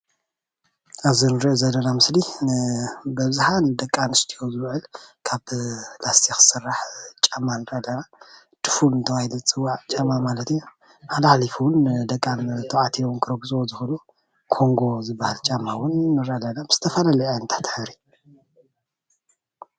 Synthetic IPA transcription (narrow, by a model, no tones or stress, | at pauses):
ʔaβzinɨɾiʔozɐlːɐnamɨsli | bɐβzħand̪ɐkʼːanɨst̪ʰijo̞zɨβʕɨlkʰaβlast̪ʰixɨ̥sɨrːaħt͡ʃʼamːanɨɾɐlɐna | t̪ʰɨ̥fulɨnt̪ʰɐwahilut͡sʼɨwːaʕt͡ʃʼamamalɐt̪ija | maħlaħlifuwʊnd̪ɐkʼːant̪ʰɐʕat̪ʰijownkʰɨɾɐɡusʼwozɨxulu | kʰo̞ŋɡo̞zɨbːahalt͡ʃʼamːawʊnːɨɾalɐnabɨz̥ɨt̪ʰɐfɐlaliʕajnt̪ʰḁt̪ʰɨ̥ħɨɾi